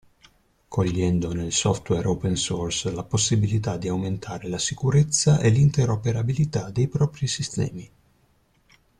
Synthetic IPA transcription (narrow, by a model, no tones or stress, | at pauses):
kʰoʎːɛnd̪onelsɔft̪wɛɾowpɛnsoɔrslaposːibilit̪ad̪iawment̪ʰaːɾelasikuɾet̪sːaʔelint̪eɾopeɾabilit̪ad̪ejpɾɔːpɾisist̪ɛ̰ːmi